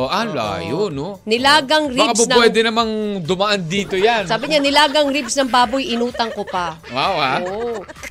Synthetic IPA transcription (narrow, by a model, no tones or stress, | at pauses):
oʔala̰ːjono | nɪlaːɡɐŋɾbikasɐnɐwɛd̪ɛnɐmaŋd̪ʊmɐʔand̪iːt̪ojansaːbɪɲanɪlaːɡɐŋɾibsnɐŋbaːbojʔɪnuːt̪ɐŋkopɐ | wawha